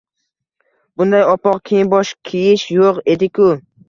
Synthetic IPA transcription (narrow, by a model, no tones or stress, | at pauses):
b̥ʊnd̪ajɒpɒqkʲʰejɪnbɒʃkʲʰijɪʃjoqe̞d̪ɪkʲʰʊ